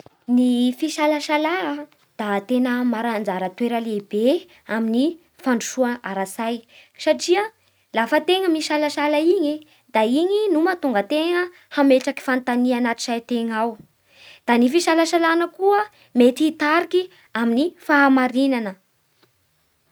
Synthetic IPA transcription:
nifiʃalaʃalaə | d̪̥at̪enəmaɾand͡zaɾət̪weɾəlebe | amini | faɳɖ͡ʐuʃuaaɾasajsaʈ͡ʂiə | lafət̪eŋəmiʃalaʃalaiɲi | d̪̥aiɲinumat̪uŋɡət̪eŋə | hameʈ͡ʂaki̥fant̪anianat̪i̥sajt̪eŋaw | d̪̥anifiʃalaʃalanəkuə | met̪iit̪aɾiki | aminifaːmaɾinanə

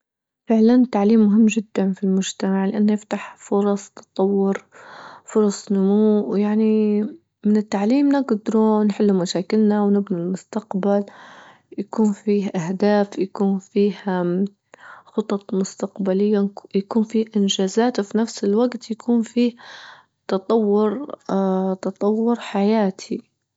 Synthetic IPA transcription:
fɪʕlant̪ːaʕliːmːʊɦɪmːʒɪd̪ːanfilmʊʒt̪amaʕlɪʔanːɪft̪aħfʊɾˤɑsˤt̪ɑ̥t̪ˤɑwːʊɾfʊɾˤɑsˤnʊmuːʔwjaʕni | mɪnɪt̪ːaʕliːmnɪɡd̪ɾunħɪlːumaʃaːkɪlnawnɪbnilmʊst̪aqbal | jakuːnfiːhʔahd̪aːfjakuːnfiːha | xʊt̪ˤɑt̪ˤmʊst̪aqbalɪjːajakuːnfiːhʔɪnʒaːzaːt̪wfinafsɪlwaɡt̪jakʰuːnfiːh | t̪ɑt̪ˤɑwːʊɾ | t̪ɑt̪ˤɑwːʊɾħajaːt̪ʰi

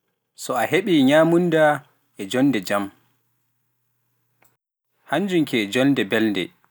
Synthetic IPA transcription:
sɔaheɓiɲamunda | ɛd͡ʒɔnːdɛd͡ʒam | haɲd͡ʒumkɛd͡ʒɔndɛbɛlndɛ̰

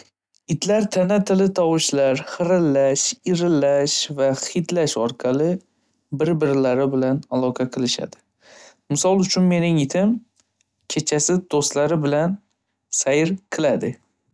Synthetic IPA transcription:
ɪt̪laɾt̪ʰanat̪ʰɪlɪt̪ʰɒwɪʃlaɾhɨɾɪlːaʃɪɾɪlːaʃvaχit̪laʃɒɾqʰɑlˠɪ | bɪɾbɪɾlaɾɪbɪlanalˠɒqʰɑqʰɨlˠɪʃa̰d̪̥ɪ̥ | mɪsɒlˠʊt͡ʃʰʊnme̞nɪŋɪt̪ʰɪm | kʲʰe̞t͡ʃʰasɪd̪̥ost̪laɾɪbɪlan | sajɪɾqʰɨlad̪ɪ

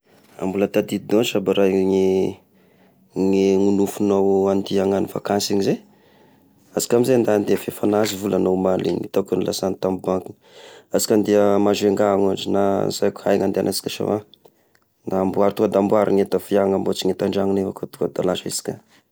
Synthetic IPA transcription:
a̰mbulət̪ad̪id̪onʈ͡ʂabaɾaŋe | ŋeŋunufunowand̪iaŋaniva̰kansiŋize | azi̥kʲamizend̪and̪eafefanazivulanomalḭnḭt̪akunilʔasant̪ambaŋkuniazi̥kand̪iəmazeŋɡaŋad͡ʒinazajkʲu̥hajŋand̪ea̰nasi̥kʲaʃa̰wa | naːmbuaɾt̪ukad̪ambuaɾḭŋet̪əfiaŋambot͡siŋet̪aɳɖ͡ʐaŋinevakot̪u̥kad̪alaʃesi̥kʲa

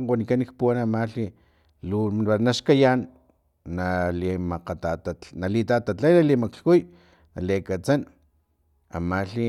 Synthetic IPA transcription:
ŋwanikanik̚puwanamaɬi | luanaʃkajanː | alimaqat̪at̪analit̪at̪aajnalimakɬkuj | nalekat͡san | a̰maɬi

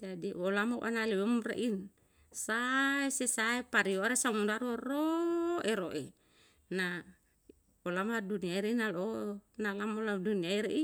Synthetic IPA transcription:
d͡ʒadiʔolamoʔa̰naliwumrḛʔin | saesesaepaɾioaɾesamundaɾuroeɾoʔe | na | olamaduniaiɾeinalonalamoladuniaiɾḛʔi

